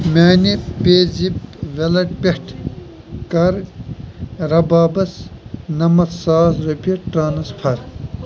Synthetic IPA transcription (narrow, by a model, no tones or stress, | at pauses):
mʲaːnipeːd͡zipʋelɐʈ̚peʈʰ | kɐɾ | ɾɐbaːbɐsnɐmɐt̪saːzɾɐpiʈɾaːnɐspʰɐɾ